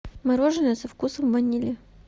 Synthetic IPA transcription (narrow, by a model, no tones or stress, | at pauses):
mɐɾoʐɨnəəsɐfkusəmvɐnʲilʲɪ